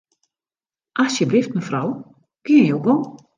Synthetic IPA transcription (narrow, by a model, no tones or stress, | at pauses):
ʔasjəblɪft̚məfraw | kɪənjowɡo